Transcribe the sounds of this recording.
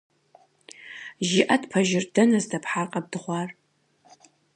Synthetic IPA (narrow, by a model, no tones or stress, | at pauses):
ʒiʔɐdpʰɐʒɪrdɐnɐzdɐpħaːqʼɐb̚dɨʁʷɑːr